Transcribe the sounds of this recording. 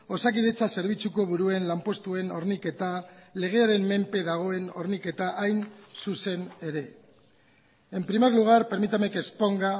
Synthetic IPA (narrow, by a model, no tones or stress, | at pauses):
o̞sakið̞e̞t͡sase̞ɾβ̞it͡suko̞β̞uɾue̞nlampo̞st̪ue̞no̞ɾnike̞t̪ale̞ɣ̞e̞aɾe̞mːe̞mpe̞ðaɣ̞o̞e̞no̞̰ɾnike̞t̪aʔajnsuse̞ne̞ɾe̞ | e̞mpɾimeɾluɣ̞aɾpe̞ɾmit̪ame̞ke̞spo̞ŋɡa